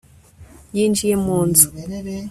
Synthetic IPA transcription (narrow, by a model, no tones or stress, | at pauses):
jiːnd͡ʒijemuːnzu